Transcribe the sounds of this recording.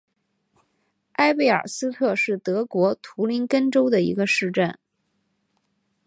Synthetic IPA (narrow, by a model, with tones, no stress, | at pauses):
a˥ɪpe˥˩ɪə̰˞˨˩sɹ̩˥t̪ʰɤ˥˧ʂɻ̩˥˩t̪ɤ˧˥kwɔ˧˥t̪ʰu˧˥li˧˥nkə˥nʈ͡ʂo˥ʊd̪ə˨ḭ˧˥ɡə˧ʂɻ̩˥˧ʈ͡ʂə˥˩n